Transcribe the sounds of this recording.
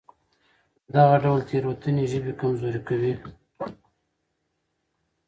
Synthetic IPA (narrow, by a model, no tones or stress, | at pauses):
d̪aɣaɖawlt̪ʰeɾwat̪əneʒəbekamzoɾikawi